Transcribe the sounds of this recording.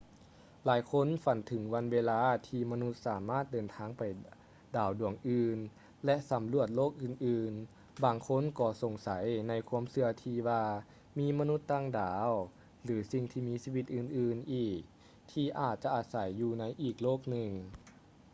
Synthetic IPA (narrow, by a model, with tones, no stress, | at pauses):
laː˨˦jkʰo˧˥˨nfa˨˩nt̪ʰɯ˩˦ŋwa˧˥nweː˧laː˧˥t̪ʰiː˧ma˧nu˧˥t̪̚saː˩˦maː˥˩t̪̚dɤː˨˩nt̪ʰaː˧˥ŋpa˨˩j | daː˨˩wdu˨˩əŋʔɯː˧n | lɛ˧˥ʔsa˨˦mlu˧˩ət̪̚loː˥˩k̚ʔɯː˧˩nʔɯː˧n | baː˧ŋkʰo˧˥˨nkɔː˧˩so˨˩ŋsa˩˦jna˧˥jkʰu˧˥əmsɯ˧ɐt̪ʰiː˧waː˧ | miː˧˥ma˧nu˧˥t̪ːaː˧˩ŋdaː˨˩˦w | lɯː˩˦si˧ŋt̪ʰiː˧miː˧˥siː˧˥˧ʋi˧t̪̚ʔɯː˧nʔɯː˧˩nʔiː˨˩k̚ | t̪ʰiː˧ʔaː˨˩t̪̚t͡ɕa˧ʔaː˧sa˨˩˦jːuː˧na˧˥jʔiː˨˩k̚loː˥˩k̚nɯ˨˧ŋ